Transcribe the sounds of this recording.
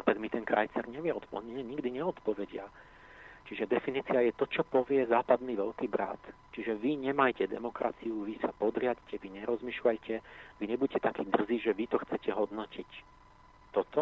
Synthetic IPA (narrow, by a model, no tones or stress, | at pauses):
p̪ɛɡ̪mit̪ɛnkɾa̰jt͡sɛɾɲɛʋɪɛɔt̪pɔɲɛɲiɡd̪iɲɛɔt̪pɔʋɛɟɪa | t͡ʃiʒɛd̪ɛfiniːt͡siajɛt̪ɔt͡ʃɔpɔʋɪɛzaːpad̪niʋɛʎkiːbɾa̰t̪ | t͡ʃiʒɛʋiɲɛmajcɛd̪ɛ̰mɔkɾa̰t͡sijuʋisapɔd̪ɾɪaɟcɛʋiɲɛɾɔzmiːʃlajcɛʋiɲɛbuɟɛcɛt̪akiːd̪r̩ziːʒɛʋit̪ɔxt͡sɛcɛɦɔd̪nɔcic | t̪ːɔt̪ɔ